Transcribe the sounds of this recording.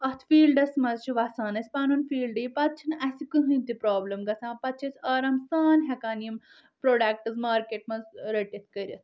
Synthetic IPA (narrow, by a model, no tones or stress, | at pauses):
ɐt̪ʰfiːlɖɐsmɐzt͡ʃʰiʋɐsaːnɐsʲpaːnunfiːlɖɨjpɐt̪̚t͡ʃʰinʔɐsikɨɦɨnt̪ipɾaːblɐmɡɐsʰãːpɐt̪̚t͡ʃʰɐsʲɐːɾɐmsaːnɦʲɐkaːnjim | pɾoːɖɐːk̚ʈɨzmaːɾkeːʈmɐzɾɐʈʲɐt̪ʰʲkɐɾʲɐsʰ